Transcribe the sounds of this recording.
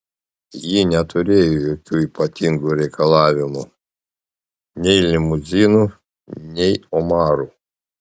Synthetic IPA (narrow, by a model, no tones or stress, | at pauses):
jinʲɛt̪ʊɾʲeːjojoːkʲuːiːpɐt̪ʲɪŋɡuːɾʲɛɪkɐlˠɑːʋʲɪmu | nʲɛɪlʲɪmʊzʲiːnu | nʲɛɪɔmɑːɾuː